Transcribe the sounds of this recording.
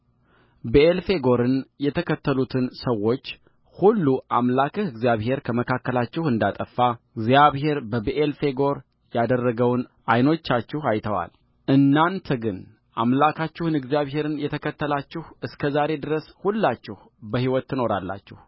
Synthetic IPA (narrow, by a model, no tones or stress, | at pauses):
beʔelfe̞ɡo̞ɾɨnjɛt̪ʰəkʰət̪ːəlut̪ʰɨnsəwːo̞t͡ʃː | hulːuʔamlakʰɨhɨɡzjaβhe̞ɾkʰəməkʰakːəlat͡ʃːɪhɨnd̪at̪ʼəfːaɨɡzijaβhe̞ɾbəbeʔelfe̞ɡo̞ɾ | jad̪ərːəɡəwnʔajno̞t͡ʃːat͡ʃːɪhajt̪ʰəwa̰l | ʔɨnːant̪ʰəɡɨn | ʔamlakʰat͡ʃːɪhɨnɨɡzjaβɦe̞ɾɨnjɛt̪ʰəkʰət̪ːəlat͡ʃːɪhɨskʰəzaɾe̞d̪ɨɾəshulːat͡ʃːɪh | bəhiwɔt̪ːɨno̞ɾa̰lːa̰t͡ʃːɪh